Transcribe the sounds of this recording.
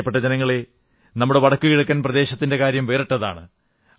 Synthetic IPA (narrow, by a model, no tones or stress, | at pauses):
ɐpːeʈːɐd͡ʑenɐŋːɐɭe | nɐmːuɽeʋɐɽɐkːuɣiɽɐk̬ːaːnprɐd̪e̞ːɕɐt̪ːinde̞kaːɾjɐmʋe̞ːɾeʈːɐða̰ːɳɨ̰